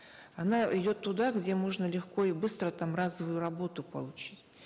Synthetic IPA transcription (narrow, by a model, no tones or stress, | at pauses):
ɐnaɪdʲo̞t̪ːʊd̪aɡdʲe̞moʐnəlʲɪxko̞ɪbɨst̪ɾət̪amrazəvʊjʊɾɐbo̞t̪ʊpə̰lˠʊt͡ɕitʲ